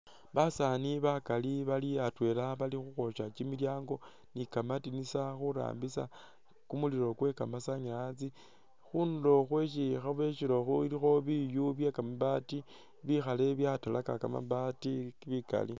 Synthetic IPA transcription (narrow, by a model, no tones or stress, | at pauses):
βasaniβakaliβaliatwe̞ːlaβalixuxo̞ʃat͡ʃimiljaːŋɡo̞ | nikamatinisaxuɾa̰ːmbisa | kumuliɾo̞kwe̞kamasaɲaat͡si | xundo̞xwe̞ʃ̬ixaβwe̞ʃilo̞xuilixo̞βijuβjakamaβati | βixale̞βjatalakaka̰ma̰βatikβika̰li